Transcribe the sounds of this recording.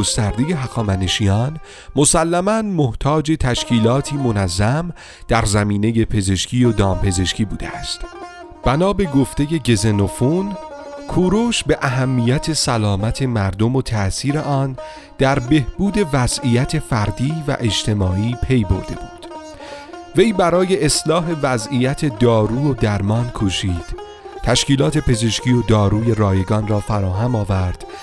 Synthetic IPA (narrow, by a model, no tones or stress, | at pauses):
ost̪æɾd̪eje̞ɦæɣɒːmæneʃiːjɒːn | mosælːæmænmoht̪ʰɒːd͡ʒe̞t̪ʰæʃcʰiːlɒːt̪ʰiːmonæzːæm | d̪̥æɾzæmiːne̞je̞pʰe̞ze̞ʃcʰiːjod̪ɒːmpʰe̞ze̞ʃcʰiːbuːd̪eæst̪ | b̥ænɒːbe̞ɡoft̪e̞je̞ɟe̞zenofunkʰuːɾoʃbe̞ʔæɦæmːijæt̪ʰe̞sælɒːmæt̪ʰe̞mæɾd̪o̞mot̪ʰæsiːɾe̞ʔɒːn | d̪̥æɾbe̞hb̥uːd̪e̞væzijæt̪ʰe̞fæɾd̪iːvæ̰ʔe̞d͡ʒt̪ʰe̞mɒːʔiːpʰe̞jbo̞̰ɾd̪e̞̰buːd̪̥ | ve̞jbæɾɒːje̞ʔeslɒːɦe̞væzijæt̪ʰe̞d̪ɒːɾuːod̪æɾmɒːnkʰoʃiːd̪̥ | t̪ʰæʃciːlɒːt̪ʰe̞pʰe̞ze̞ʃciːo̞d̪ɒːɾuːje̞ɾɒːje̞ɡɒːnrɒːfæɾɒːɦæmɒːvæɾd̪̥